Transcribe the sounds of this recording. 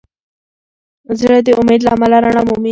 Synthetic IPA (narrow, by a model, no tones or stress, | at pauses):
zɽad̪eʊmed̪laamalaɾaɳamumi